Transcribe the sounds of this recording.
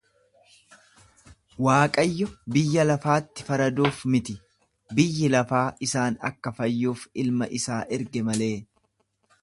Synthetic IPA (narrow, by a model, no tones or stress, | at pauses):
waːkʼɐjːɔbɪjːɐlɐfaːt̪ːɪ̥fɐɾɐd̪uːfmɪt̪ɪ | bɪjːɪlɐfaːʔɪsaːnɐ̰kːɐfɐjːuːfɪlmɐʔɪsaːʔɪɾɡɛmɐle̞ː